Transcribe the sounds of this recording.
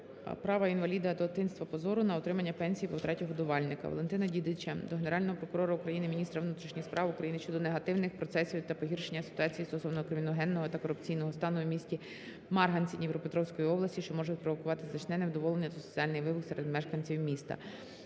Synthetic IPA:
pɾɑʋɐinʋɐlʲid̪ɐd̪ɔt̪ɪnst̪ʋɐpɔzɔɾʊnɐɔt̪ɾɪmɐnʲːɐpɛnʲsʲijpɔwt̪ɾɛtʲɔɦɔd̪ʊʋɑlʲnɪkɐ̰ʋɔ̰lˠe̞nt̪ɪnɐdʲid̪ɪt͡ʃɐd̪ɔɦeneɾɑlʲnɔɦɔpɾɔkʊɾɔɾɐʊkɾɐjinɪmʲinʲist̪ɾɐʋnut̪ɾʲiʃnʲixspɾʔɑʋukɾɐjinɪt͡ʃɔd̪ɔneɦɐt̪ɪwnɪxpɾɔt̪sɛsʲiʋʲiwt̪ɐpɔɦʲirʃenʲːɐsɪ̥t̪ʊɑt͡sʲijist̪ɔsɔwnɔkɾɪmʲinɔɦɛnːɔɦɔt̪ɐkɔɾʊpt͡sʲijnɔɦɔst̪ɑnʊmʲisʲtʲi | mɑrɦɐnʲt͡sʲinʲiʋɾɔpet̪ɾɔwsʲkɔjiɔblˠɐsʲiʃt͡ʃɔmɔʒɛt̪ʲpɾɔʋɔkʊʋɑt̪ɪzɐt͡ʃnɛnewd̪ɔʋɔlˠenʲːɐsɔsɔt͡sʲiɑlʲnɪjʋɪbʊksɛɾed̪mɛʃkɐnʲt͡sʲiwmʲist̪ɐ̰

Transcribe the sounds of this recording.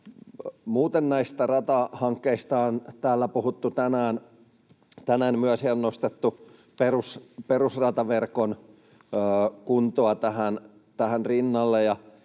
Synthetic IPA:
muːt̪enːæist̪ærɑt̪ɑhɑŋkːeist̪ɑːnt̪æːlːæpuhut̪ːut̪ænæːn | t̪ænæːnmyæsionnost̪et̪ːu | perusperusrɑt̪ɑʋerkonː | kunt̪oɑt̪æhæn | t̪æhænrinːɑlːejɑ

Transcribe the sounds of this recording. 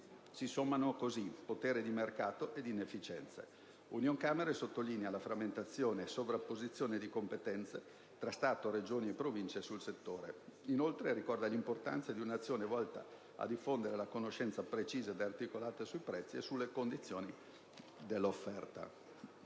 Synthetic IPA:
sisomːanokozipːot̪eːɾed̪imerkaːt̪oʔed̪inefːit͡ʃɛnt̪sḛ | unjoŋkameɾesot̪ːolinealafɾamːent̪at̪sːjoːneːsovɾapːozit̪sːjoːned̪ikompet̪ɛnt̪se | t̪ɾast̪aːt̪oɾed͡ʒoːniepːɾovint͡ʃesulset̪ːoːɾeinolt̪ɾeɾikɔrd̪alimport̪a̰nt̪sad̪iunat̪sːjoːnevɔlt̪a̰ | a̰d̪ifːond̪eɾelakonoʃːɛnt̪sapɾet͡ʃiːzad̪eart̪ikolaːt̪esuipɾɛt̪sːiesulːekond̪it̪sːjoːni | d̪elːofːɛrt̪a̰

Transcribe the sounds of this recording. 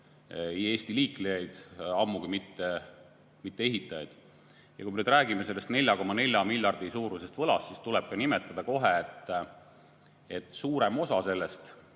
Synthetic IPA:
eje̞ːst̪iliːklejɑjd̪̥ɑmːuɡuimit̪ːe | mit̪ːee̞ɦit̪ːˑɑjɑ̰jd̪̥ | jɑkuijmeyːd̪ræːɡime̞se̞lːe̞st̪ne̞lʲjɑko̞mɑne̞lʲjɑmilʲjɑrd̪̥isuːɾuse̞st̪vɤ̞lɑ̰ssist̪ulɛb̥̚kɑnime̞t̪ːˑɑd̪̥ɑko̞ɦe̞et̪ːˑ | et̪ːˑsuːɾe̞mo̞sɑse̞lːest̪

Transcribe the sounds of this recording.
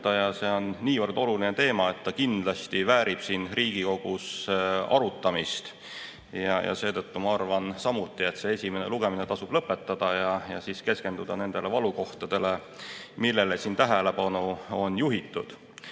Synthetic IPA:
t̪ɑjɑse̞ːo̞nːiːvɤrd̪o̞lulinet̪e̞ːmɑe̞t̪ːɑkind̪̥lɑst̪ivæːɾib̥siːnriːɡ̥iko̞ɡ̥usɑ̰ɾut̪ːˑɑmist̪ | jɑjʔɑ̰se̞ːt̪ɤ̞t̪ːumɑɑrvɑnsɑmut̪ːˑie̞t̪se̞esʲime̞ne̞luɡe̞mine̞t̪ɑsub̥lɤpːˑe̞t̪ːɑd̪̥ɑjɑjɑsiske̞ske̞nd̪ud̪̥ɑne̞nd̪̥e̞le̞vɑluko̞ht̪ɑd̪̥e̞le̞ | milːe̞lesiːnt̪æɦele̞pɑnuo̞njuɦit̪ːˑud̪̥

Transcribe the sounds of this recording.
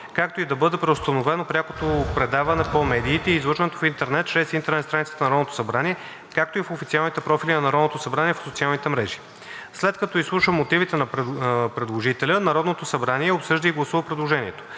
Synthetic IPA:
kak̚t̪oid̪ɐbɤd̪ɛpɾɛʊst̪ənovɛnopɾʲako̥t̪opɾɛd̪avɐnɛpomɛd̪iːt̪ɛiːzlˠɤʃvənɛt̪ofint̪ɛɾnɛt̪̚t͡ʃɾɛsint̪ɛɾnɛt̪st̪ɾanit̪ə̥t̪ənɐɾɔd̪not̪o̥sɐbɾaniɛ | kak̚t̪oifofit̪sialˠnit̪ɛpɾɔfilʲinɐnɐɾɔd̪not̪osɐbɾanʲiɛfsot̪sialˠnit̪ɛmɾɛʒi̥ | slɛt̪̚kɐt̪ɔislˠuʃəmːot̪ivit̪ɛnɐpɾɛd̪lˠoʒit̪ɛlʲənɐɾɔd̪not̪osɐbɾaniɛopsɤʒd̪əiɡlˠɐsuvɐpɾɛd̪lˠoʒɛniɛt̪o̥

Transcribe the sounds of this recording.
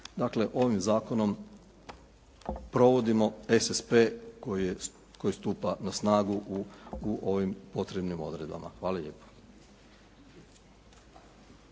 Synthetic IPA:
d̪akle̞ʔo̞ʋimzaːko̞no̞m | pɾo̞ʋo̞d̪imo̞e̞sespe̞ | ko̞jist̪uːpanasnaːɡuʔuuʔo̞ʋimpo̞t̪ɾebnimo̞̰d̪ɾe̞d̪ba̰mʔa̰xʋaːlaʎe̞ːpo̥

